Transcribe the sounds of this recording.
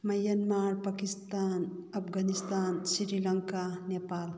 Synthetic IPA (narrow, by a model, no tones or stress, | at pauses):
mɐjɐnmaɾpakist̪anɐpʰɡʱanist̪ansɾiɾilaŋkanepal